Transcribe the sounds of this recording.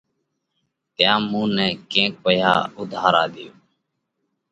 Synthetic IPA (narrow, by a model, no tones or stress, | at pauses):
t̪ɪjãːmũːnɛːkẽːk̚ʋəja̰ːʊd̪ʱaːɾa̰ːd̪ɪjoː